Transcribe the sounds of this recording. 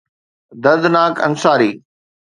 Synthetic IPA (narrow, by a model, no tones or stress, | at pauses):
d̪ɐd̪naːkʰɐ̰nsaːɾiː